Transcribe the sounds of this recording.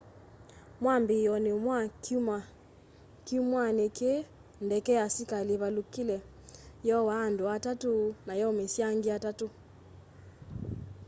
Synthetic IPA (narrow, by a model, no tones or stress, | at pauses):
mwambejɔnemwakuma | kiumwaneke | ndɛkɛasikaleβalukilɛ | jɔwaːndoatatonajɔmesjaŋɡeatato